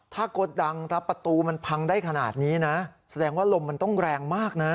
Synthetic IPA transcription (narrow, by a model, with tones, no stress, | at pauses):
t̪ʰaː˥˩ko˨˩t̪̚da˧ŋt̪ʰa˦˥pɾa˧t̪uː˧ma˧npʰa˧ŋdaː˥˩jkʰa˧na̰ː˨˩t̪̚niː˦˥na˦˥sa˧dɛː˧ŋwaː˥˩lo˧mːa˧nt̪ɔ˥˩ŋɾɛː˧ŋmaː˥˩k̚na˦˥